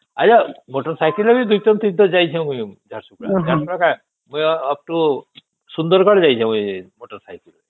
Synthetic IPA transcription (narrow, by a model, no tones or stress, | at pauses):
at͡ʃʰamoʈɔɾsajkilabid̪ujt̪ɔmt̪id̪ʱɔd͡ʒajt͡ʃʰãw̃kũĩd͡ʒʱaɾsukɽa̰t̪aɾpɔɽɔkã | mũjap̚ʈu | sund̪ɔɾkɔɽed͡ʒajt͡ʃʰãuimoʈɔɾsajkil